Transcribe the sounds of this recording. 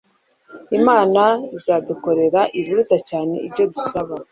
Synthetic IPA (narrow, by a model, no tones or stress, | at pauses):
imaːnaizaːduko̞ɾe̞ɾaʔiβuɾudacaːne̞̰ibɟo̞dusaβa